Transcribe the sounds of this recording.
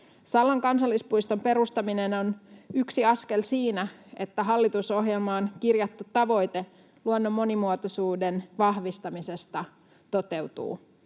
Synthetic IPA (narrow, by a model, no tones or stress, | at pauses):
sɑlːɑŋkɑnsɑlːispuist̪ompe̞ɾust̪ɑmineno̞nyksiɑske̞lsiːnæe̞t̪ːæɦɑlːit̪uso̞ɦjelmɑonkirjɑt̪ːut̪ːɑʋo̞jt̪e | luonːo̞mːo̞nimuot̪osuːdenʋɑhʋist̪ɑmise̞st̪ɑ | t̪o̞t̪e̞wt̪ṵː